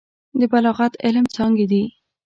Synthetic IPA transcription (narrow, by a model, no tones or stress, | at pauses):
d̪əbalɑɣat̪ɪlmt͡sɑŋɡed̪i